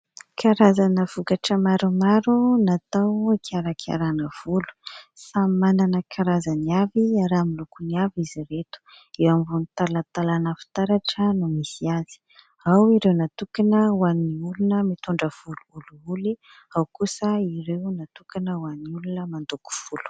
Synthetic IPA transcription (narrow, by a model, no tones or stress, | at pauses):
kʰaɾazanəv̥ukaʈ͡ʂəmaɾumaɾunat̪awakʰaɾakʰa̰ɾanəv̥ulu̥samananəkʰaɾazaniaviaɾamilukuniaviziret̪u̥ | ewamvunit̪alat̪alanəfi̥t̪aɾaʈ͡ʂənumisiazi̥ | awiɾewnat̪ukanəwaniulunəmit̪uɳɖ͡ʐəv̥uluuluuli | awkusəiɾewnat̪ukanəwaniulunəmand̪uku̥v̥ulu̥